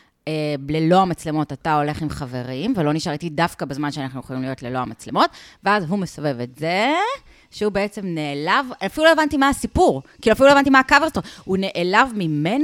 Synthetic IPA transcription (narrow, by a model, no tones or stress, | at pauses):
eblelo̞amat͡sle̞mo̞tatao̞le̞χimχave̞ʁimvelo̞niʃaʁitidafkabezmanʃeanaχnujeχolimlijo̞tlelo̞amat͡sle̞mo̞tveazɦumesave̞vetze | ʃeube̞et͡semneelavafiluloevantimaːsipuʁkiiluafiluoevantimaakaveʁstohune̞ʔelavmime̞n